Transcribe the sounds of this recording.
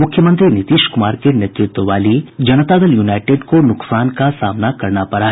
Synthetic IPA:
mʊkʰjəmə̃nt̪ɾinɪt̪iːʃkʊmaːɾkenet̪ɾɪt̪wəʋaːlid͡ʒɐnət̪ad̪ɐljuːnaːɪʈeːɖkonʊksaːnkasaːmnakɐɾnapɐɾaːɦ

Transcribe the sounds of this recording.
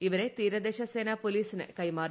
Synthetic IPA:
iʋɐɾet̪iːɾɐd̪eːʃɐseːnaːpoliːsinɨ̰kɐjmaːr

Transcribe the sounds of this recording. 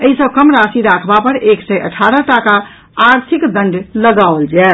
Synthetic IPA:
əɦisəb̚kəmɾasiɾakʰbapəɾeksɛʔə̰ʈʰaɾəʈakaː | ɾt̪ʰikd̪ə̃ɳɖləɡaold͡ʒɛ

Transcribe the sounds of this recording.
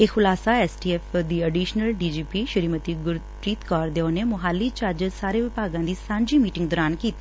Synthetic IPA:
eːxʊlaːsaɛːsʈiːɛːfd̪iːəɖiːʃnəlɖiːd͡ʒiːpiːʃʊɾiːmət̪iːɡʊɾ | ɾiːt̪kɔːɾd̪eoːneːmʊɦaːlːiːt͡ʃaɾd͡ʒsaːɾeːʋɪpaːɡãːd̪iːsãːɲd͡ʒiːmiːʈɪ̃ŋɡd̪ɔːɾaːnkiːt̪a

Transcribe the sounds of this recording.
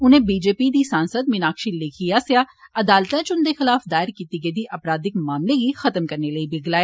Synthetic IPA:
ʊnẽːbiːd͡ʒeːpiːd̪iːsãːnsəd̪̚mɪnaːkʃiːlɪkʰijaːsejaːəd̪aːlt̪ãːt͡ʃʊnd̪eːxɪlaːfd̪aːɪɾkiːt̪iɡeːd̪iːʔəpɾaːd̪ɪkmaːmleɡixət̪əmkəɾneləibɪɡlaːjaː

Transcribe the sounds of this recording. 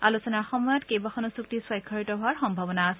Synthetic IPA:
alusɔnaxɔmɔjɔtkejbaxʰɔnɔsuk̚tiswɔjkʰːɔɹitɔɦʊaɹxɔmbʱabɔnaːsɛ

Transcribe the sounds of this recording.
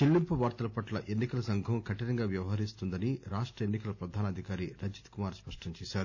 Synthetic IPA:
ilːimpuʋaːɾt̪ɐlɐpɐʈlɐʔe̞nːikɐlɐsɐŋɡʱɐ̃kɐʈɐɾɐŋɡaːʋjɐʋɐɦɐɾist̪und̪ɐniɾaːʂʈɾɐenːikɐlɐpɾɐd̪ʱaːnɐd̪ʱikaːɾiɾɐd͡ʒit̪kumaːɾspɐʂʈɐɲt͡ʃɛːʃaːɾu

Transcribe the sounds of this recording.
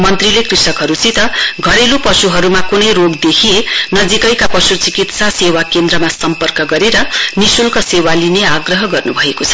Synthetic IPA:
mʌnt̪rilekrisʌkɦʌɾut͡sit̪ʌɡʱʌɾelopʌsuɦʌɾumakunʌjroɡd̪ekʰienʌd͡zikʌjkapʌsut͡sikit̪sasewakend̪rʌmasʌmpʌrkʌɡʌɾeɾʌnisulkʌsewalineaɡrʌɦʌɡʌrnubʱʌekot͡sʰʌ̥

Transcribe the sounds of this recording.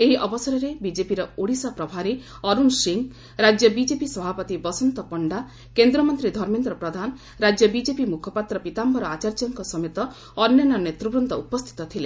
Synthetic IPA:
eɦiʔɔbɔsɔɾɔɾebid͡ʒepiɾɔoɽisɔpɾɔbʱaɾe | ɔɾunsiŋ | ɾad͡ʒjɔbid͡ʒepisɔbʱapɔt̪ibɔsɔnt̪ɔpɔɳɖa | kend̪ɾɔmɔnt̪ɾid̪ʱɔɾmend̪ɾɔpɾɔd̪ʱanɔ | ɾad͡ʒjɔbid͡ʒepimukʰɔpat̪ɾɔpit̪ambɔɾɔat͡ʃaɾd͡ʒɔŋkɔsɔmet̪ɔː | njɔnɔnet̪ɾɔbɾund̪ɔupɔst̪ʰi̥t̪ɔt̪ʰile

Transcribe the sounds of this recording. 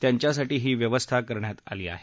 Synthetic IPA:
t̪jaɲt͡ɕjas̬aʈiːɦiːʋjəʋəst̪ʰakəɾɳjat̪a̰liːa̰ɦe

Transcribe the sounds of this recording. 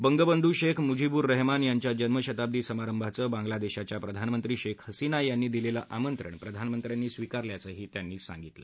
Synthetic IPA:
bəŋɡəbənd̪ʱuːɕekʰmud͡ʑibuːɾːəɦmanjaɲt͡ɕjad͡ʑənməɕət̪ab̚d̪iːsəmaɾəmbʱat͡səbãŋɡlad̪eɕat͡ɕjapɾəd̪ʱanmənt̪ɾiːɕekʰhəsinajanːiːd̪ilelaʔamənt̪ɾə̰ɳpɾəd̪ʱanmənt̪ɾjanːiːsʋikaɾljat͡səːɦiːt̪janːiːsa̰ŋɡit̪lə̰

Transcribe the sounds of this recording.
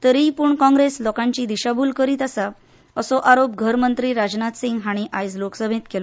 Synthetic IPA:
t̪əɾipuːɳkɔ̃ŋɡɾeslɔkãɲt͡ɕiːd̪iɕabʱuːlkəɾiːt̪asa | əsɔʔaɾopɡʱəɾmənt̪ɾiːɾad͡ʑnat̪siŋɡɦaɽ̃iʔajd͡zloksəbʱẽt̪kelɔ

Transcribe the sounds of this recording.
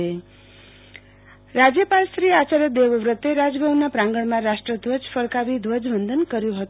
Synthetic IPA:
e | rad͡zjʌpalsɾiat͡saɾʌd̪ebʌwrʌt̪ːeɾad͡zbʱʌwnapraŋɡʌɽmaɾasʈrʌd̪wʌd͡zpʰʌrkabid̪wʌd͡zbʱʌnd̪ʱʌnkʌɾjoɦot̪

